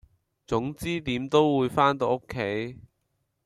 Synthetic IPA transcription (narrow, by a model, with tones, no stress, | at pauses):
t͡sʊ˨˥ŋt͡siː˥t̪iː˨˥mt̪o˥wwuː˨˧jfaː˥nt̪o˧wʔo˥kʰːe˨˥j